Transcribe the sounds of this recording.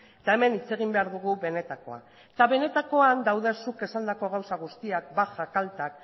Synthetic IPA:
t̪ae̞me̞nit͡se̞ɣimbe̞aɾðuɣ̞uβe̞ne̞t̪ako̞̰a̰ | t̪aβe̞ne̞t̪ako̞and̪awðe̞suke̞sand̪ako̞ɣawsaɣ̞ust̪iak̚baxakalt̪ak̚

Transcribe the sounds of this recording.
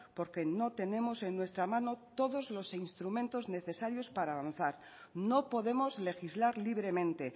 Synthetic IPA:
po̞ɾke̞no̞t̪e̞ne̞mo̞se̞nːwe̞st̪ɾamãno̞t̪o̞ðo̞zlo̞sinst̪ɾumẽnt̪o̞zne̞θe̞saɾjo̞spaɾaːβ̞an̟θaɾ | no̞po̞ðe̞mo̞zle̞xizlaɾliβ̞ɾe̞mẽ̞nt̪e̞

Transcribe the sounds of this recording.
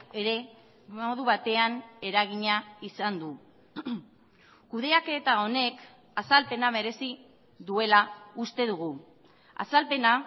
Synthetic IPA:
e̞ɾe̞ | moðuβat̪e̞ane̞ɾaɣ̞iɲaisand̪u | kuðe̞aket̪ao̞ne̞k | asalpe̞naβe̞ɾe̞si | ðue̞laust̪e̞ðuɣ̞u | a̰salpe̞na

